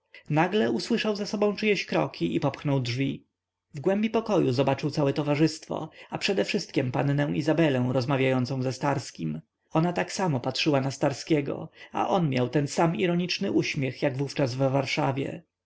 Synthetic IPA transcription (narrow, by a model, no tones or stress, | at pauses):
naɡlɛuswɘʂawzasɔbɔ̃w̃t͡ʂɨjɛɕkɾɔ̰kʲʰiʔipɔpxnɔwdʐvʲi | vɡwɛmbʲipɔkɔjuzɔbat͡ʂɘwt̪sawɛt̪ɔvaʐɘst̪fɔ̰apʂɛd̪ɛfʂɘst̪̚kʲɛmpannɛw̃izabɛlɛ̃w̃ɾɔzmavʲjajɔnt̪sɔ̃zɛst̪aɾskʲim | ɔnat̪aksamɔpatʂɘwanast̪aɾskʲɛɡɔ̰a̰ʔɔnmʲjawt̪ɛnsamiɾɔɲit͡ʂnɘʔuɕmʲjɛxjaɡvuft͡ʂazvːaɾʂavʲjɛ̰